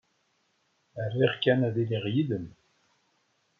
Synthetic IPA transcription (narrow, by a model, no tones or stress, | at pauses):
ərːiʁkːænæðiliʁjiðəm